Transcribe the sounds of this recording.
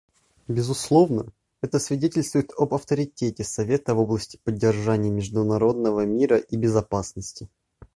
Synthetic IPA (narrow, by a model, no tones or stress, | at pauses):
bʲɪzʊslˠo̞vnə | ɛt̪əsvʲɪdʲetʲɪlʲst̪vʊjɪt̪əbɐft̪əɾʲɪtʲetʲɪsɐvʲet̪əvo̞blˠəsʲtʲɪ̥pədʲːɪrʐanʲɪjəmʲɪʐd̪ʊnɐɾo̞d̪̚nəvəmʲiɾəʔibʲɪzɐpasnəsʲtʲɪ